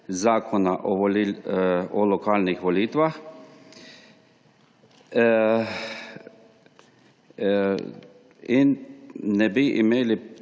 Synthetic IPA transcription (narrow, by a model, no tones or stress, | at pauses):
zaːkʰɔnaʔɔ | ɔlɔkaːlnixʋɔliːt̪ʋax | innɛbiʔimeːli